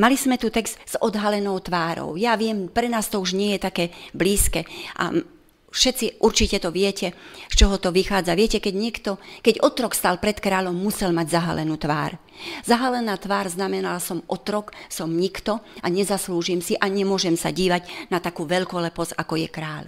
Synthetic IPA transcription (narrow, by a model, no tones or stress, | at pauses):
malizmɛt̪ut̪ɛkz̥t̪z̥ɔd̪ɦalɛnɔʊt̪ʋaːɾɔ̰ʊjaʋɪɛmpɾɛnaːst̪ɔuʒɲɪɛjɛt̪akɛːbliːskɛːʔa̰ | fʃɛtt͡siʔuɾt͡ʃicɛt̪ɔʋɪɛcɛst͡ʃɔɦɔt̪ɔʋixaːd͡zaʋɪɛcɛkɛɟɲɪɛkt̪ɔkɛɟɔt̪ɾɔkst̪aːlpɾɛt̪kɾaːʎɔmːusɛlmaɟzaɦa̰lɛ̰nuːt̪ʋa̰ːɾ | zaɦalɛnaːt̪ʋaːɾznamɛnalasɔmʔɔt̪ɾɔksɔmɲikt̪ɔaɲɛzasluːʒiːmsiʔaɲɛmʊɔʒɛmsa̰ɟiːʋaɟnat̪akuːʋɛʎkɔlɛpɔt͡sakɔjɛkɾaːl